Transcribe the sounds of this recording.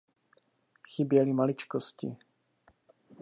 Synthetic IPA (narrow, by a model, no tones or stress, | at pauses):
xɪbjɛlimalɪt͡ʃkoscɪ̰